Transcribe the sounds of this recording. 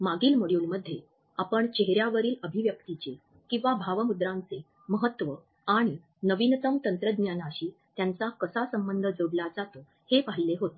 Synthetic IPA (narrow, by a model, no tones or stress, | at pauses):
maɡiːlməɽjuːlməd̪ʱːje | apəɳt͡ɕeɦɾjaʋəɾiːləbʱiʋjək̚t̪it͡ɕe | kĩʋabʱaʋəmud̪ɾãnt͡se | məɦət̪ːʋə | aɽ̃i | nəʋint̪əmt̪ənt̪ɾəd̪ɲjanaɕiː | t̪jant͡sakəsasəmbənd̪ʱəd͡zoɽlad͡zat̪o | hepaɦileɦot̪